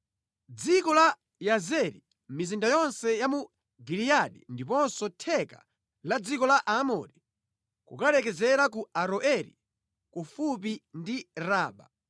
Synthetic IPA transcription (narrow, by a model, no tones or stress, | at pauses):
d͡zikɔla | jazɛɾḭ | mizindajɔnsɛjamu | ɡilijaɗindipɔnsɔtʰɛka̰ | lad͡zikɔlaʔaːmɔ̰ɾi | kṵkalɛkɛzɛɾak̬uaɾɔʔɛɾḭ | kufupindiɾaːɓa̰